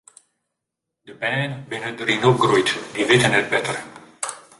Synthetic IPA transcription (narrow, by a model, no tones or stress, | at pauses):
d̪əbɛːnbɪnəd̪əɾinoɡɾujtd̪ivɪt̪ənɛt̚bɛt̪ər